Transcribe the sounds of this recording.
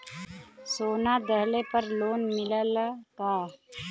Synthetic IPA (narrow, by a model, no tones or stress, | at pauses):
soːnad̪əɦlepəɾloːnmɪləlk̪aː